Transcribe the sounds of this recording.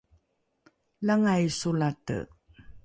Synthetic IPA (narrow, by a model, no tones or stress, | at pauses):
laŋajsulatə̰